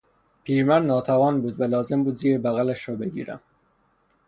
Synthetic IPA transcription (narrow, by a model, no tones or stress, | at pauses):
pʰiːɾmænnɒːt̪ʰævɒːnbuːd̪vælɒːzembuːd̪ziːɾebæɣælæʃɾɒːbeɡḭːɾæ̰m